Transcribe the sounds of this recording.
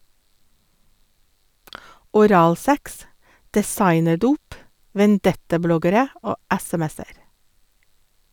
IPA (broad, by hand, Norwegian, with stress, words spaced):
ɔˈɾɑːlˌsɛks dɛˈsɑɪnəˌduːp ʋɛnˈdɛtɑˌblɔɡəɾə ˈoː ˈɛsɛˌmɛsəɾ